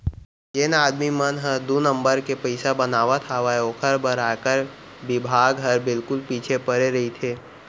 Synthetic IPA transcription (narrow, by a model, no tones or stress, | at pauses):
d͡ʒenaːd̪mimənɦəd̪unə̃mbəɾkepəɪsabɐnaːʋat̪ʰaʋaeoːkʰəɾbəɾaːkəɾ | bɪbʱaːɡɦɐɾbɪlkʊlpiːt͡ʃʰepəɾeɾɐɦit̪ʰeː